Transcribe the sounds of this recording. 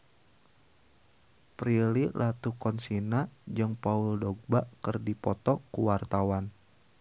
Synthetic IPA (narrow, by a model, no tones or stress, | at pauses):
pɾililʔat̪ukɔnsinad͡ʒɨŋpauldɔɡ̚bakərdipɔt̪ɔkuwart̪awan